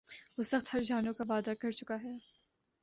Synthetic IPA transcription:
ʋoːsɐxt̪hɐɾd͡ʒaːnõkaʋaːd̪akɐɾt͡ʃʊkaɦɛː

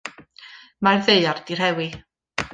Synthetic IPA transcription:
marðeɨard̥ir̥hɛwi

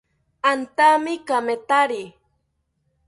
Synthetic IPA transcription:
ant̪amɪkamet̪aɾi

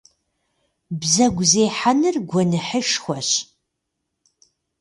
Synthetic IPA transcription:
bzɐɡʷzejħanɨrɡʷɔnɨħəʃxʷɔɕ

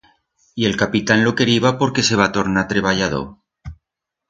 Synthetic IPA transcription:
ie̞lkapit̪anlo̞ke̞ɾiβapo̞ɾke̞se̞β̞at̪o̞ɾnat̪ɾeβaʝaðo̰

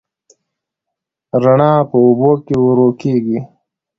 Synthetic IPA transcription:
ɾaɳɑːpəubokewɾokeɡi

